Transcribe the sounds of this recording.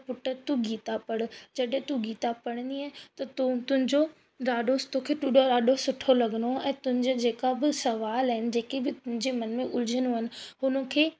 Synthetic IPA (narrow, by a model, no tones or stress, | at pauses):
pʊʈəɾt̪ũɡiːt̪apɐɽ̃d͡ʑɐɗɦɪ̃t̪ũɡiːt̪apɐɽ̃ə̃nd̪iaːɦɪt̪ɐt̪ut̪ʊɦɪ̃ɲd͡ʑo | ɾaːɖot̪okʰeːʈuɗoɾaːɗosʊʈʰolɐɡənoɛ̃ːt̪ʊ̃ɦɪ̃ɲd͡ʑod͡ʑeːkabɪsɐʋaːlaɦɪnɪ̆d͡ʑeːkebɪt̪ʊɦɪ̃ɲd͡ʑemɐnmẽʔʊld͡ʑʱənoɦənɪ̆ɦʊnə̆kʰeː